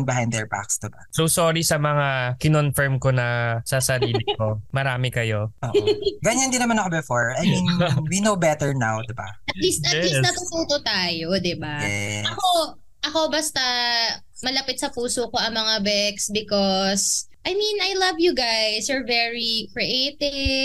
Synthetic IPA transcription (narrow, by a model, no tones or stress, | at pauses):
nbɪɦãj̃nd̪d̪ɛɹba̰ksd̪ɪbasosoːɾisɐmɐŋakɪnonfɛɹmkonɐsɐsɐɾiːlɪko̞mɐɾaːmɪkɐjooːʔɡɐɲɐnd̪ɪnɐmanɐkobɛfɔɹajminwinowbɛt̪ɛɹnawd̪ɪba̰ʔɐt̪liːst̪ɐɛlinɐt̪ut̪uːt̪ot̪aːjod̪ɪbajɛɐko | ʔɐko̞bɐst̪ɐ | mɐlɐpɪt̪̚sɐpuːsoko̞ʔɐŋmɐŋabɛksbɪkos | ʔɐjminɐjlɐvjuɡajsɛɹvɛɹikɹiʔejt̪ɪ